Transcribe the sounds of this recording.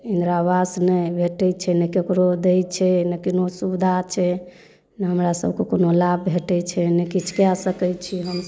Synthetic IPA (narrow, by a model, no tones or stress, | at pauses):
ĩnd̪ɾabasnəbʱeʈɛt͡ʃʰɛnəkekɾod̪ɛjt͡ʃʰɛnəkinosubd̪ʱat͡ʃʰɛ | nəɦəmɾasəbkekonolabbʱeʈɛt͡ʃʰɛnekit͡ʃkjasəkɛjt͡ʃʰiɦəm